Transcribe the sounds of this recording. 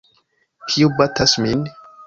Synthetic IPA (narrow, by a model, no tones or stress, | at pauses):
kʰiubatʰasmin